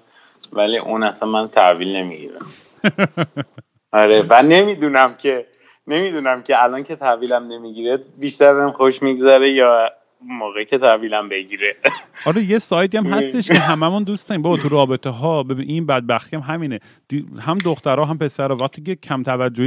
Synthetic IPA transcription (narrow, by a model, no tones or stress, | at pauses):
væliʔunæsænmænt̪ʰæ̰viːlne̞miɟḭɾæ̰m | ɒɾevæne̞miːd̪unæmcʰe | ne̞mid̪unæmcʰeælɒncʰet̪ʰæviːlæmne̞miɟiːɾebiʃt̪æɾbenxoʃmiɡzæɾejɒː | moːɣecʰet̪ʰæviːlæmbe̞ɟiɾeɒːɾejesɒːjt̪iæmɦæst̪eʃʰeɦæmæmund̪ust̪ɒimbɒbɒt̪ʰuɾɒːbe̞t̪ʰeɦɒːbebiʔinbæd̪̚bæxt̪ijæmɦæmiːne | d̪̥ihæmd̪oxt̪æɾɒːɦæmpʰe̞sæɾɒːvæxt̪iːcʰecʰæmt̪ʰævæd͡ʒːoi